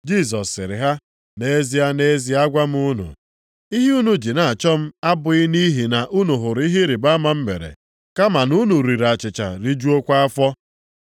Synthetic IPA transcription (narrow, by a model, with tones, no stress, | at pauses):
d͡ʒi˦˨s̬ɔ˨sːɪ̰˨ɾɪ̰˨ɦa˦ | ne˦zi˦a˦ne˦zi˦a˦ɡʷa˦m̩˦u˦nṵ˨ | i˦ɦi˦u˦nu˦d͡ʒi˨na˨a˨t͡ʃɔ˦m̩˦a˦bʊ˨ɪ˦ni˦ɦi˨na˨ʔu˦nu˨ɦʊ˨ɾi˦ɦi˦ɾi˨ba˦ma˨m̩˦mḛ˨ɾḛ˨ | ka˦ma˨nu˦nu˨ɾi˨ɾa˨t͡ʃɪ˨t͡ʃa̰˨ɾi˦d͡ʒu˦o˦kʷa˦a˦fɔ˦